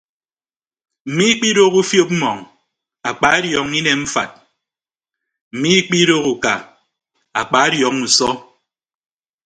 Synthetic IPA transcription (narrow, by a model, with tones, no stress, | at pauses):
m̩˨mi˦i˦k͡pi˦ɾo˦ku˦fjo˦p̚m̩˦mɔ˨ŋ | a˨k͡pa˨˦a˦djɔ˨ŋ˦i˦ne˨m̩˦fa̰˨t̚ | m̩˨mi˦k͡pi˦ɾo˦ku˨ka˨ | a˨k͡pa˨˦a˦djɔ˨ŋu˨sɔ˦